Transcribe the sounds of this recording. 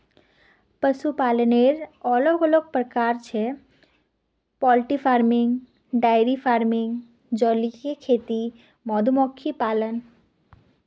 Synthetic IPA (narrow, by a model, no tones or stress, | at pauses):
pəʃupaləneɾɔlɔɡɔloɡ̚pɾəkaɾt͡ɕʰe | pɔlʈifaɾmiŋ | ɖajɾifaɾmiŋ | d͡ʑɔlikekʰet̪i | mɔd̪ʱumɔkʰːipalən